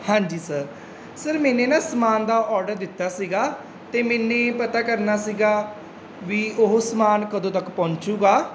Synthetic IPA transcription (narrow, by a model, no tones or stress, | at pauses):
hãːɲd͡ʒiːsəɾ | səɾmɛ̃ːneːnãːsəmaːnd̪aːʔɔːɾɖəɾd̪ɪt̪ːaːsiːɡaː | t̪eːmɛːnːẽːpət̪aːkəɾnaːsiːɡaː | ʋiːʔʊɦosəmaːnkəd̪õːt̪əkpɔ̃ːɲt͡ʃuːɡaː